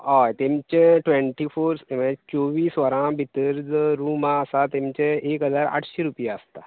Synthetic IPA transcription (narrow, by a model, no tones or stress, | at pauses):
ɦɔjt̪emt͡ɕẽʈʋẽɳʈifoɾsmet͡soʋiːsʋəɾãbʱit̪əɾd͡zəɾumaːsat̪emt͡ɕẽekəd͡zaɾa̰ʈʰɕeɾupjaəst̪a